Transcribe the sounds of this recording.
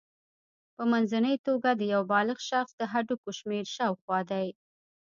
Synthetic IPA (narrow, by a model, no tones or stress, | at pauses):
pəmanzanəjt̪oɡad̪əjawbɑlɪɣʃɑxsd̪əɦaɖukoʃmeɾʃɑwxwɑd̪aj